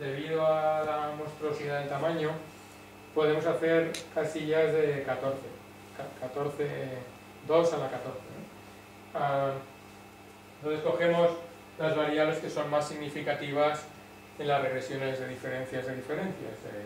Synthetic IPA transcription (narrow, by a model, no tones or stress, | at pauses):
d̪e̞β̞iðoalamo̞st̪ɾuo̞siðaðe̞lt̪amãɲo | po̞ðe̞mo̞saθe̞ɾkasiʝazðe̞kat̪o̞ɾθe̞ | kakat̪o̞ɾθe | d̪o̞salakat̪o̞ɾθeno | a | ent̪oθeko̞xe̞mos | lazβaɾiaβle̞ske̞so̞nmasːiɣnifikat̪iβ̞as | enlasre̞ɣɾe̞sjo̞ne̞zðe̞ðife̞ɾẽ̞nθjazðeðife̞ɾẽ̞nθja̰zḛ